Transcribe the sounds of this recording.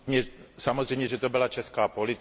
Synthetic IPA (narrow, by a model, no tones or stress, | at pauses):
ɲɛsamozrɛjmɲɛʒɛt̪obɪlat͡ʃɛskaːpolit̪